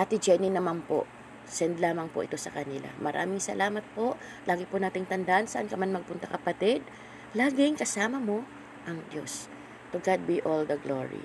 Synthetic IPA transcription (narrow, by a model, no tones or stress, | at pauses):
ʔɐt̪ɪd͡ʒɛninɐmanpo̰ʔ | sɛnd̪laːmɐŋpʊʔɪ̰t̪o̞sɐkɐnɪla̰mɐɾʔa̰ːmɪŋsɐ̰lʔaːmɐt̪̚po̞ʔ | lʔaːɡɪpʊnaːt̪ɪŋt̪ɐnd̪aʔansɐʔɐnkɐmanmɐɡ̚pʊnt̪akɐpɐt̪ɪd̪̚ | laːɡɪŋkɐsaːmɐmo̞ | ʔɐŋd̪jo̞̰s | t̪ʊɡad̪̚biʔold̪ɐɡlo̰ɹḭ